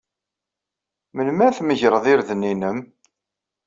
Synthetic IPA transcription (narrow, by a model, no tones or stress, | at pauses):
mənmæθməʝɾˤðˤɪɾðnːinəm